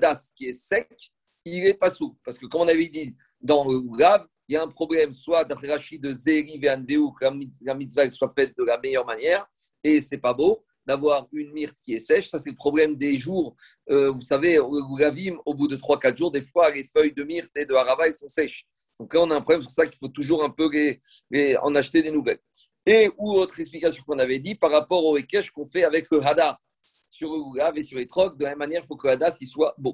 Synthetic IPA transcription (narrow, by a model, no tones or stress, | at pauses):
d̪askʲiɛsɛkʲ | ilɛpasupaʁsə̥kəkɔmɔ̃naved̪i | d̪ɑ̃ləulav | iljaɛ̃pχɔblɛmswad̪aχeʁaʃid̪əzeʁiveanveukəlamilamit̪svaɡswafɛt̪̚d̪əlamejœʁmanjɛːʁ | esɛpabo | d̪avwaʁynmiʁt̪kʲiɛsɛʃsasɛləpχɔblɛmd̪eʒuːʁ | øvusaveəɡuɡavimobud̪ət̪χwakat̪χʒuʁd̪efwalefœjd̪əmiʁt̪ed̪əaʁabaɛlsɔ̃sɛʃ | d̪ɔ̃klaɔ̃naɛ̃pχɔblɛmp̬yʁsaki̥fot̪uʒuʁɛ̃pøleleɑ̰̃naʃt̪ed̪enuvɛl | euot̪χɛksplikasjɔ̃kɔ̃navɛd̪ipaʁːapɔʁoekɛʃkɔ̃fɛavɛkləɦad̪aʁ | syʁləɡuɡavesyʁlet̪χɔk̚d̪əlamɛmːanjɛʁilfokələad̪aʁsiswabo